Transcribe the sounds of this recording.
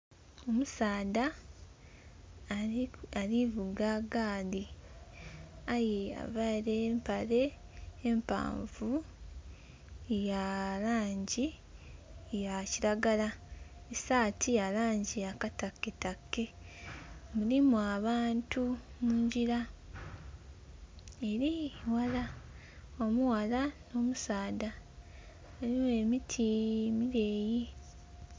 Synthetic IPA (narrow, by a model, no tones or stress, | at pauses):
o̞musaːda | aɾivuɡaɡaːdi | ajea̰vaɾempaɾe̞ː | mpa̰ːɱvu | jalaːɲɟi | jaciɾaɡalaesaːtʰijalaːɲɟiakatakːetakːe̞ | mulimuaβaːntʰumuːɲɟiɾa | e̞ɾiwala | omuwalano̞ːmusaːda | olimue̞mitʰimiɾe̞ːji